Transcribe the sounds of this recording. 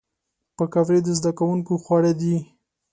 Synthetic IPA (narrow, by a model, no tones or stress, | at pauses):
pəkavɾed̪əzd̪akawuŋkoxwɑɽad̪i